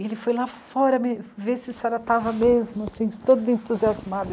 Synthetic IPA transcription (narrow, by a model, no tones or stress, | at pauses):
elɪfojlafɔɾɐmɪvesɪsaɾɐt̪avɐmezmʊasĩt̪od̪ʊẽt̪uziazmad̪ʊ